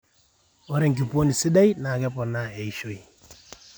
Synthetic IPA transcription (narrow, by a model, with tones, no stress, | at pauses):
ɔ˦ɾɛ˨ŋk̬i˨po˦ni˨si˦da˦i˦na˨kɛ˦pɔ˨na˦e˨i˨ʃo˦i˨